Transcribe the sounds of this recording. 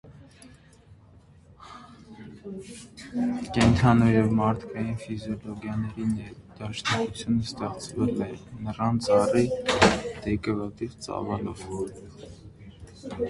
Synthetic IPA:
kɛnt̪ʰɑnujɛvmɑɾt̪ʰkʰɑjinfizjɔlɔɡjɑnɛɾinɛd̪̥ɑʃnɑkut͡sʰjunəst̪ɛχt͡sʰvɛlɛnərɑnt͡sɑri | d̪̥ɛkəvɑt̪ivt͡sɑ̰vɑlɔ̰v

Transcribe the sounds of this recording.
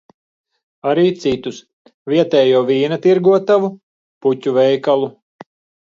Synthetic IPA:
aɾiːt̪sit̪us | vʲiɛt̪ɛːjuɔviːnat̪iɾɡuɔt̪avu | putʲuvɛjkalˠu

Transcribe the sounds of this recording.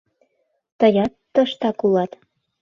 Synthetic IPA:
t̪ɤjɑt̪ːə̆ʃt̪ɑkulɑt̪

